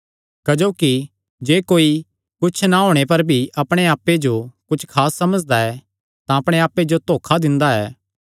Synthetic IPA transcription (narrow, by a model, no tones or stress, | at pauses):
kɐd͡ʒoːki | d͡ʒeːkoːi | kʊt͡ʃʰnaɦoːɽ̃epɐɾbʱiʔɐpɽ̃eaːpːed͡ʒokʊt͡ʃʰkʰaːsːɐməd͡ʒd̪aɛ | t̪ãɐpɽ̃eaːpːed͡ʒot̪oːkʰad̪ɪ̃nd̪aɛː